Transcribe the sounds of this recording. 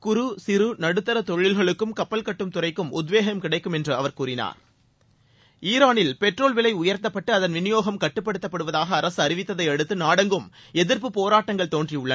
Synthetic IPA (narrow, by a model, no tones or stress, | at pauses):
kʊɾʊsɪɾɯnɐɽɯt̪ːɐɾɐt̪ɔɻɪlɣɐɭɯkːɯmkɐpːɐlkɐʈːɯmt̪ʊrɐɪkːɯmʊd̪ʋeːɣɐmkɪɽɐɪkːɯmɛndrɯɐʋɐɾkuːɾɪna̰ːɾ | iːɾaːnɪlpɛʈroːlʋɪlɐɪʊjɐɾt̪ːɐpːɐʈːɯɐðɐnʋɪnɪjoːɣɐmkɐʈːɯpːɐɽɯt̪ːɐpːɐɽɯʋɐðaːɣɐːɾɐsɯɐɾɪʋɪt̪ːɐðɐɪɐɽɯt̪ːɯnaːɽɐŋɡɯm | ɛðɪɾp̬ɯpoːɾaːʈːɐŋɡɐɭt̪oːndriʊɭːɐ